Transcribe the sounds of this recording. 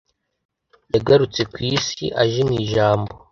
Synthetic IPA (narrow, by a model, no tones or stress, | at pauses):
jaɡaɾut͡se̞kwiːsḭʔaʒimiːʒaːmbo